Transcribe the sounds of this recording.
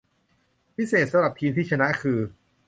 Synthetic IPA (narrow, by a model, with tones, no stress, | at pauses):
pʰi˦˥seː˨˩t̪̚sa˧mɾa˨˩p̚t̪ʰiː˧mt̪ʰiː˥˩t͡ɕʰa˧na˦˥ʔkʰɯː˧